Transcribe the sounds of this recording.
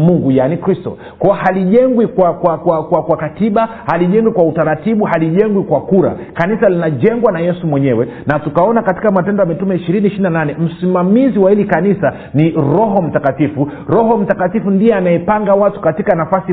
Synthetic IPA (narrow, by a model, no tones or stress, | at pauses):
muŋɡujanikɾistɔ̰ | kɔahaliʄɛŋɡwikwakwakwakwakwakatiɓa | haliʄɛŋɡwikwautaɾatiɓuhaliʄɛŋɡwikwakuɾa̰ | kanisalinaʄɛŋɡwanajɛsumwɛɲɛwɛnatukaɔnakati̥kamatɛndɔjamitumɛiʃiɾiniʃiɾinananɛm̩simamiziwahilikanisa | niɾɔɦɔm̩takatifu | ɾɔɦɔm̩takatifundijɛanaɛpaŋɡawatu̥katikanafasi